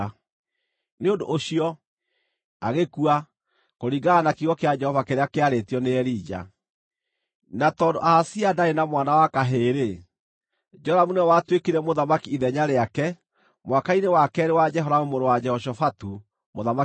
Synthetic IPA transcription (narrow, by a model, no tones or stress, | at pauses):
neondoʔoɕiɔ | aɣekua | koɾiɡaɣanakiɣɔkead͡ʒɛhɔvakeɾeakeaɾetiɔneɛɾid͡ʒa̰ | natɔːndoʔahasiadaenamwanawakaɦeːɾe | d͡ʒɔɾamunɛwatwekeɾɛmoðamakiːðɛɲaɾeakɛ | mwakainewakɛːɾewad͡ʒɛɦɔɾaomoɾowad͡ʒɛhɔʃɔfatu | moðama